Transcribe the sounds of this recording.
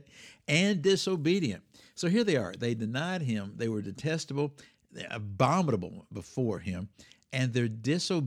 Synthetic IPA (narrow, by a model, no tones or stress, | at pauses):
ɨ̃ndɪsoʊbiɾiɨ̰̃nt | soʊɦiɹðeɪə̰˞ðeɪdɨnaɪd̚ɪ̃mðeɪwə˞dɨtʰɛstəbl̩ˠ | ɨ̰bɑməɾəbl̩ˠbəfɔɹɪ̃mɨ̃nðə˞dɪsoʊ